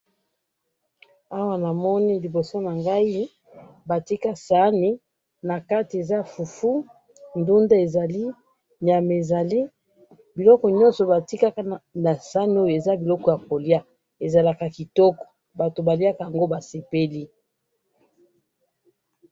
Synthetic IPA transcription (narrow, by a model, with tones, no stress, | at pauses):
a˦wa˦na˨mɔ˦ni˦li˨bo˨so˦na˨ŋɡa˦i˦ | ba˨ti˦ka˦sa˦ni˦ | na˨ka˦ti˨e˨za˦fu˨fu˦ | ndu˦nda˦e˨za˨li˦ | n˨a˨me˨za˨li˦ | bi˨lɔ˦kɔ˨ɲɔ˦nsɔ˨ba˨ti˦ka˦ka˦na˨sa˦n˦o˦jo˨e˨za˦bi˨lɔ˦kɔ˨ja˨ko˨li˦a˦ | e˨za˨la˨ka˨ki˨tɔ˦kɔ̥˨ | ba˨to˨ba˨li˦a˦ka˨ja˨ŋɡo˦ba˨se˨pe˦li˦